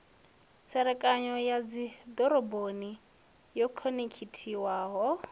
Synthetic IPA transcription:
sɛɾɛkʼaɲɔjad͡zidɔɾɔboni | jɔkʰɔnikʰitʰiwaːɦɔ

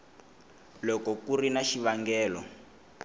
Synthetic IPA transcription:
lɔkɔkurinaʃiβaŋɡɛːlɔ̰

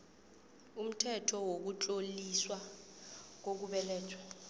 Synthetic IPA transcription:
um̩tʰɛtʰɔwok̬ut͡ɬʼoliswa | k̬ok̬uɓɛlɛːtʰwɛ

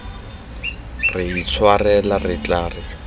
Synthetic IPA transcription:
rɪit͡sʰwarɛlarɪt͡ɬaːrɪ

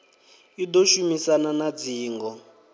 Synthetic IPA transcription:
idoʃumisananad͡ziːŋɡɔ

